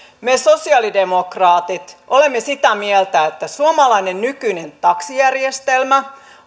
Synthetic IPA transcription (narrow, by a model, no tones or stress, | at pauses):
mesosiɑlidemokrɑːt̪it̪ʔolemːesit̪æmielt̪æet̪ːæsuomɑlɑinennykynent̪ɑksijærjest̪elmæ